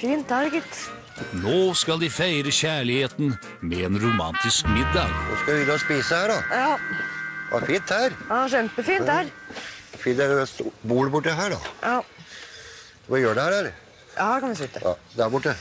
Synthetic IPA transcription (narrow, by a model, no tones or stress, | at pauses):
fiːnt̪æɾɡɪt̪ | noːskɑld̪ɪfæɪɾəçæːɭɪheːt̪n̩ | mɛeːnɾʊmɑnt̪ɪskmɪd̪ːɑːɡno̰skɑɪd̪ɑspiːsəhæːɖɑjɑː | ʋɑ̰ɾfiːnt̪hæːɾjɑʃɛmpəfiːnt̪hæːɾfɪnd̪əsbuːləbʊʈːəɦæːɖɑ̰jɑː | d̪ɛʋɑjøːɖɛhæːɾɛl | jɑːhækɑnʋɪsɪt̪ːəɑ̰d̪æɾbʊʈːə